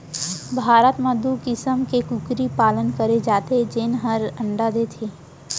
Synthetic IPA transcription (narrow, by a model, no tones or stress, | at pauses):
bʱaːɾət̪mɐ̃d̪ukɪsəmkekʊkɾipaːlənkəɾed͡ʒaːt̪ed͡ʒenɦəɾə̃ɳɖad̪et̪ʰeː